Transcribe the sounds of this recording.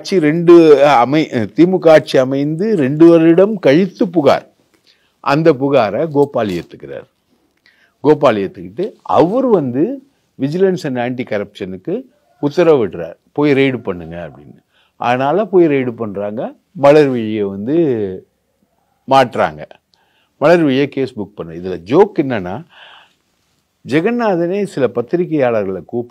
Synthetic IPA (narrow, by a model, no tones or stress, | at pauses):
t͡ʃiɾɛɳɖɯɐmɐɪt̪imɯkːaːɾ̚t͡ʃiɐmɐɪnd̪ɯɾɛɳɖɯʋɐɾɪɽɐmkɐɻɪt̪ːɯpːʊɣa̰ːɾɐ | ʔɐ̰nd̪ɐpʊɣaːɾɐɡoːpːaːlɪjɐt̪ːɯ̥kːɪɾa̰ːɾ | ɡoːp̬aːlɪjɐt̪ːɯkːɪʈːɯɐ̰ʋɐɾɯʋɐnd̪ɯ | ʋɪd͡ʒɪlɐnsɐnaːɳʈikɐɾɐpʂɐnɯkːɯ | ʊt̪ːɐɾɐʋɪʈːɾa̰ːɾpoːjɾeɪɽpɐɳːɯŋɡɐɐpːɽɪ̰nːɯ | ʔɐ̰ːðɐnaːlɐpoːjiɾeɪɽpɐɳːɾaːŋɡɐ | mɐɭɐɾʋɪɻɐjeʋɐnd̪ɯ | maːʈːɾa̰ːŋɡɐ̰ | mɐɭɐɾʋɪjekeːsbʊk̚pɐɳːɐɪðɪlɐd͡ʒoːkːɛnːɐnːaː | d͡ʒɛɣɐnːaːðɐneːsɪlɐpɐt̪ːɪɾɪkːɐjaːɭɐɾɣɐɭɐkuːp